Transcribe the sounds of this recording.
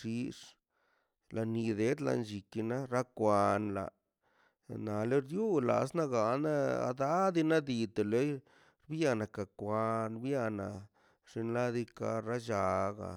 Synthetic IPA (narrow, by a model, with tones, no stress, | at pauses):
ʂi˧ʂ | la˧ni˧d̪e˦d̪la̰˧nd͡ʒi˨ki˧na˦ɾa˦kʷa˧nla̰˨ | na˨le˦ɾju˦la̰˨sna˦ɡa˨na˦a̰˧d̪a˦d̪i˧na˦d̪i˧t̪e˨le˨˦j | ɾbja˧na˨ka˨kʷa˧nbja˦˧na˨ | ʐ̥i˧nla˦d̪i˧ka̰˧ɾa˦ʃa˧ɡa̰˨